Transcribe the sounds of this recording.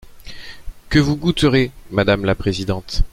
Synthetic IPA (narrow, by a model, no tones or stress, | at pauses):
kəvuɡut̪əʁemad̪amlapχezid̪ɑ̃t̪